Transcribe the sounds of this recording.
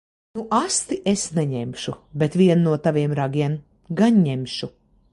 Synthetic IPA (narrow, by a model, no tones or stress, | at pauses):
nuʔast̪iʔesnɛɲɛmʃubet̪vʲiɛnnuɔt̪aviɛmɾaɡiɛm | ɡaɲɲɛmʃu